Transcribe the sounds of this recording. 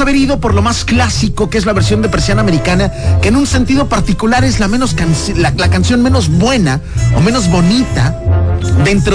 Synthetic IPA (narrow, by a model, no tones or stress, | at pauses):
aβe̞ɾið̞o̞po̞ɾlo̞masklasiko̞kee̞zlaβeɾsjo̞nd̪e̞pe̞ɾsjanaːme̞ɾikanake̞ːnũnse̞nt̪ið̞o̞paɾt̪ikulaɾe̞zlamẽno̞skanslalakansjo̞nme̞no̞zβwe̞nao̰mẽ̞no̞zβo̞nit̪a | ðe̞nt̪ɾo